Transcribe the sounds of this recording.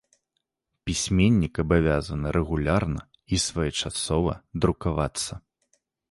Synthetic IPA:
pʲisʲmʲenʲːikɐbavʲazɐnɨɾʔɛɣulʲarnɐ | isvajɛt͡ʂasɔvɐ̰d̪ɾukavat̪sːɐ

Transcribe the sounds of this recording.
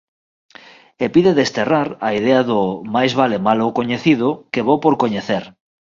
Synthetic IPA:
epiðeðest̪eraɾaið̞eaðʊmajzβalemalokoɲeθiðʊkeβ̞owpoɾkoɲeθeɾ

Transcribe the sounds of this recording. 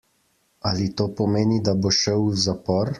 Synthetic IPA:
alit̪oːpɔmeːnid̪aboʃɛwzapɔɾ

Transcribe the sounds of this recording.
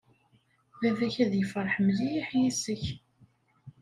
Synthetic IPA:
vævæçæðjəfəɾˤħəmlijiħjisəç

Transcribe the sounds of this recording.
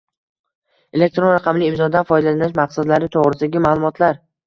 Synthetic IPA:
e̞le̞k̚ʲt̪ɾonɾɑqʰɑmlɪːmzɒd̪anfɒjd̪alanɪʃmaqsad̪laɾɪt̪ʰoʁɾɪsd̪aɡʲɪmaːlˠʊmɒt̪ʰlaɾ

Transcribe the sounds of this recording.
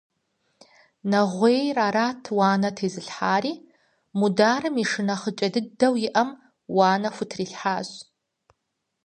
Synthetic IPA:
nɐʁʷeːjraːɾaːtʰwaːnɐtʰeːzɨɬħaːɾiː | mudaːrɨmiʂɨnɐχət͡ʃʼɐdɨdɐwjɪʔɐm | waːnɐfʷʊtʰriːɬħaːɕ

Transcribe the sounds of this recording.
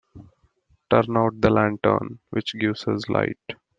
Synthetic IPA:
ʈəɾnaʊʈ̚d̪əlæ̃ɳʈə̰ɾnʋɪt͡ʃɡɪʋzɪzlʔa̰ɪʈ

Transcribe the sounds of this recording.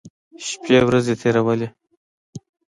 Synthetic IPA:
ʃpewɾazet̪ʰeɾawəle

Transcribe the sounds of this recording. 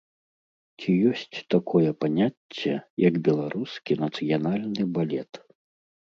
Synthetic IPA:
t͡sʲijɔsʲt͡sʲt̪akʰɔjɛpanʲat͡sʲːɛjɐɡbʲɛlˠaɾʔuskʲinɐt̪sɨjanalʲnɨbalʲɛt̪

